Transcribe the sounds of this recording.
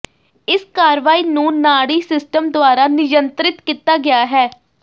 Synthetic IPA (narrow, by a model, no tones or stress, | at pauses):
ɪskaːɾʋaːiːnũːnaːɽiːsɪsʈəmd̪ʊaːɾaːnɪd͡ʒənt̪ɾɪt̪kiːt̪aːɡɪjaːɦɛː